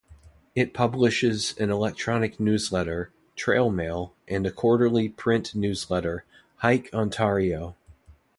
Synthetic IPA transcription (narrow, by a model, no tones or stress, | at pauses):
ɨt̚pʰʌblɨʃɪzɨ̃nəlɛk̚tʰɹ̥ɑnɨk̚nʉzlɛɾə˞ | tʰɹ̥eɪlˠmeɪlˠʔɨ̃nɨkʰɔɹɾə˞lˠipʰɹ̥ɪ̃nnʉzlɛɾə˞ | haɪkʰɑ̃ntʰɛɹioʊ